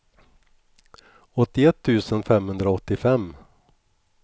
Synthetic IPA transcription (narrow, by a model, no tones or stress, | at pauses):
ɔt̪ːɪɛt̪ʰːʉ̟ːsənfɛmhɵnd̪ɾaɔt̪ːɪfɛmː